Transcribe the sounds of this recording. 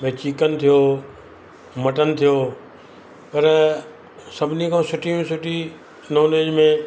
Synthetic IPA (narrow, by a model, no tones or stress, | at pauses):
mẽːt͡ɕiːkənɪ̆t̪ʰijo | mɐʈənɪ̆t̪ʰijo | pɐɾ | sɐbʱɪnikʰãːsʊʈʰijũsʊʈʰi | noːleːd͡ʒmẽ